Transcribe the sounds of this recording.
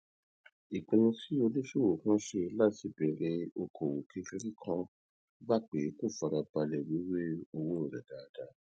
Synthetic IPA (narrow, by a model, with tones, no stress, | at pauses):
i˨k͡pẽ˧nũ˧si˦o˧le˦ʃu˦wo˨kã˦ʃe˧la˦˨ti˨˦be˨˦ɾe˧o˧kʰo˨wo˨kʰi˨˧˦fi˧˦ɾi˦kʰã˦ | ɡ͡ba˦˨k͡pe˨˦ko˦˨fa˧ɾa˧ba˧lɛ˨wi˨˦we˦o˧wõ˦o˨ɾɛ̰˨da˨a˧da˨˦